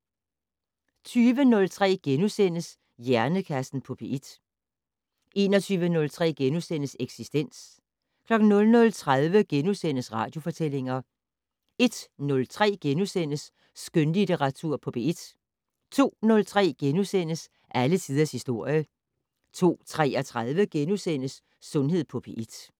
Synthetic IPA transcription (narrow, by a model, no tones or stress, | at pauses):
t͡sʰyːʋənɔ̽lt͡sʰʁɛ̰ːɡ̥enusen̰əs | jæɐnəkʰæsn̩pʰɒ̽b̥eid̥ | ʔe̝ːnɒ̽t͡sʰyːʋənɔ̽lt͡sʰʁɛ̰ːɡ̥enusen̰əseɡ̥sisd̥en̰s | kʰlɒ̽ɡ̥n̩ːɔ̽lnɔ̽lt͡sʰʁaðˠʋəɡ̥enusen̰əsʁɑ̈ːd̥jo̝fɒ̽t͡sʰel̰e̝ŋɐ | e̝d̥nɔ̽lt͡sʰʁɛ̰ːɡ̥enusen̰əsː | ɡ̥ønlideʁɑ̈t͡sʰuɐ̰pʰɒ̽pʰe̝id̥ | t͡sʰo̝̰ːnɔ̽lt͡sʰʁɛ̰ːɡ̥enusen̰əs | ʔæləsʰiːð̞ˠɐshisd̥o̝ɐ̰jə | t͡sʰo̝̰ːt͡sʰʁɛ̰ːɒ̽t͡sʰʁaðˠʋəɡ̥enusen̰əsː | ɔ̽nɦe̝ð̞̰ˠpʰɒ̽pʰe̝ʔid̥